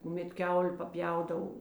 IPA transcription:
kʊˈmʲɛt ˈkʲɛʊlʲeː pɐˈpʲjɛʊdɐw

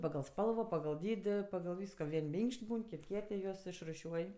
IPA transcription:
pɐɡɐlˠ ˈspɐlˠʋoː pɐɡɐlˠ ˈdʲiːdʲɪ pɐɡɐlˠ ˈʋʲiːskoː ˈʋʲiɛnʲ ˈmʲɪŋkʃʲtʲ ˈbuːn ˈkʲɪtʲ ˈkʲiɛtʲ ɪ ˈjuɔs ɪʃrʊˈʃʲuɔj

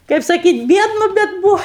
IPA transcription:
kɐɪp sɐˈkʲiːtʲ ˈbʲiɛdnʊ bʲɛt ˈbuːʋɐ

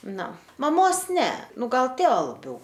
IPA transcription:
ˈnʊ mɐˈmoːs ˈnʲɛ ˈnʊ ˈɡɐlˠ ˈtʲeːʋɐ lˠɐˈbʲɛʊ

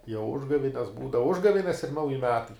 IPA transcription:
jɛʊ ˈʊʒɡɐʋʲɪnʲɛs ˈbuːdɐʋɐ ˈʊʒɡɐʋʲɪnʲɛs ɪr ˈnɐʊjɪ ˈmʲæːtɐɪ

